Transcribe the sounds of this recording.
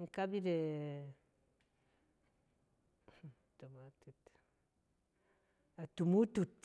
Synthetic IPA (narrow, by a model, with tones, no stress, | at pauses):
ŋ̩˦ka˦bi˦ɾe˨ | tu˨ma˨tu˨t | a˨tu˨mu˦tu˨t